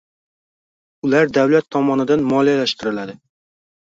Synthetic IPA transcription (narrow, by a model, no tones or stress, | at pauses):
ʊlaɾd̪awlat̪ʰːɒmɒnɪd̪anmɒlijalaʃt̪ɪɾɪlad̪ɪ